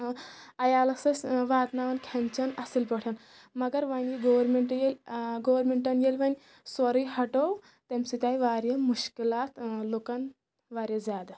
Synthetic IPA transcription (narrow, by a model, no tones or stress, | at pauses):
ɐjalɐsəsʋat̪naʋɐnkʲʰɛnt͡ɕɐnɐsilpɐɽ̤ʰan | mɐɡɐɾʋaniɡoʋɾmeɳʈjelɡoʋəɾmeɳʈɐnjelʋanʲ | sʋɐɾijɦɐʈow | t̪emsit̪ʲajʋaɾjəmuʃkilat̪lokan | ʋaɾjəd͡zad̪